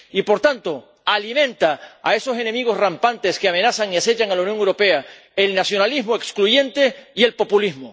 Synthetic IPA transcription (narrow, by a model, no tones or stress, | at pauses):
ipo̞ɾt̪ant̪o̞ | alimẽ̞nt̪aa̰e̞so̞se̞ne̞miɣ̞o̞srampant̪eskeamẽ̞nasaŋiase̞t͡ʃaŋalaunjoŋewɾo̞pe̞a | e̞lnasjo̞nalizmoekskluʝẽ̞nt̪e̞ie̞lpo̞pulizmo